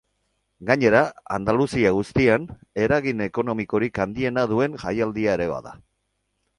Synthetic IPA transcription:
ɡaɲe̞ɾaa̰nd̪alusiaɣ̞ust̪iane̞ɾaɣine̞ko̞no̞miko̞ɾikand̪ie̞naðue̞nʝajald̪iae̞ɾe̞βa̰ða̰

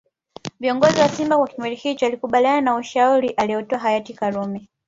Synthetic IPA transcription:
viɔŋɡɔziwasimbakwakimwɛlihit͡ʃɔalikuɓaliananauʃauɾiʔaliɔtɔaɦajatikalumɛ

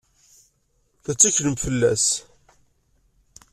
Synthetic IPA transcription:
θæt͡sːæçləmfəlːæs

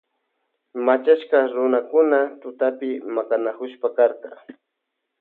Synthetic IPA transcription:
mat͡ʃaʃkaɾʊnakʊnat̪ʊt̪apɪmakanakʊʃpakaɾt̪a

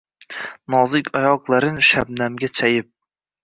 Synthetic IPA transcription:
nɒzɪkʲʰɒjɒqlˠaɾɪnʃab̚namɡʲat͡ʃʰajɪp̚

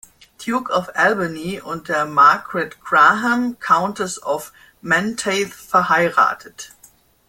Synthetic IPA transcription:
d̥juːkɔfɛlbaniʔʊnt̚d̥eːɐmaɐɡʁɛtɡ̥ʁaɦamkʰãʊ̃ntəsɔf | mɛntʰeɪθfɛɐhaɪʁa̰ːtʰət

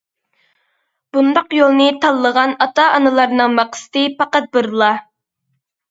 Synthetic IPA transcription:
b̥und̪ɑqjolˠnɨt̪ʰɑlˠːəʁɑnɑt̪ɑʔɑnɨlˠɑɾnɨŋmɑqsɨ̥t̪ɨpɑqɑt̪̚bɨɾlˠɑ

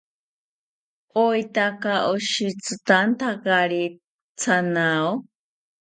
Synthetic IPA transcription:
ojt̪akaʔoʃit͡sɨt̪ant̪akaɾi | t͡sʰanao

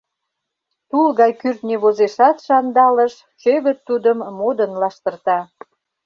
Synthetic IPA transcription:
t̪ulɣɑjkyrt̪nʲeβozeʃɑt̪ʃɑnd̪ɑləʃ | t͡ɕøβə̆t̪ːud̪əmːod̪ənlɑʃt̪ə̆rt̪ɑ

